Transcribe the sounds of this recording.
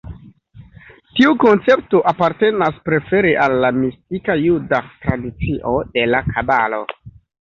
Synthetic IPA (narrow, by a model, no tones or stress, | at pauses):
tiuko̞nt͡se̞p̚to̞ʔapaɾte̞naspɾe̞fe̞ɾeʔalːamistikajudatɾadit͡siʔo̞de̞lakʰabalo̞